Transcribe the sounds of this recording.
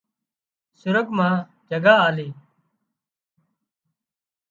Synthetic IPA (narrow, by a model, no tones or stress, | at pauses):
sʊɾəkmãː | d͡ʒəɡaːaːleː